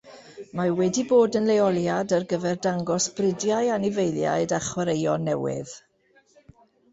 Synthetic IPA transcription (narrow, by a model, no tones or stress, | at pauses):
mawɛdiboːdənlejɔlˠjadarɡəvɛrdaŋɡɔsb̥rɪdjajanɪvejlˠja̰ɨdaχwəɾejɔnːɛwɪ̰ð̥